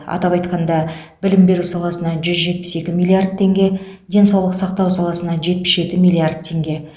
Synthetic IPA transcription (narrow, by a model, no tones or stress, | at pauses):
ɑ̰t̪ɑpɑjt̪qɑnd̪ɑ | bɪlɪmbe̞ɾusɑlˠɑsənɑʒʏzʒe̞t̪̚pɪ̥se̞kʲɪmijlˠiard̪̚t̪ʰːe̞ŋɡʲe̞ | d̪e̞nsɑwlˠəqsɑq̚t̪ɑwsɑlˠɑsənɑʒe̞t̪̚pɪ̥sʒe̞t̪ɪmijlʲˠiard̪̚t̪ʰːe̞ŋɡʲe̞